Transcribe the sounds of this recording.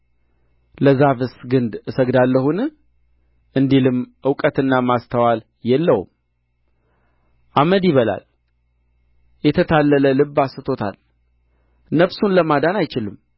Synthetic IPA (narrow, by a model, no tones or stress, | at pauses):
ləzaβɨsɡɨnd̪ɨsəɡd̪alːəhunɨ | ʔɨnd̪ilɨmʔɨwkʼət̪ɨnːamast̪ʰəwal | jɛlːəwṵm | ʔaməd̪jiβəla̰l | jɛt̪ʰət̪ʰalːələlɨbːasɨt̪ʰo̞t̪ʰa̰l | nəβsunləmad̪anajt͡ʃɪlɨm